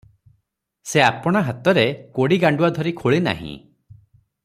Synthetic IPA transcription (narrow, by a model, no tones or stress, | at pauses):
seapɔɽ̃aɦat̪ɔɾekoɽiɡaɳɖuad̪ʱɔɾikʰoɭina̰ɦḭ̃